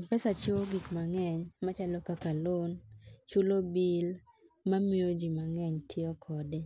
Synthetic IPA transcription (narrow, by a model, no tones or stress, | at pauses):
pɛsat͡ʃwoɡikmaŋɛɲmat͡ʃalɔkakalont͡ʃulobil | mamiod͡ʒimaŋɛɲtʰjɔkʰɔde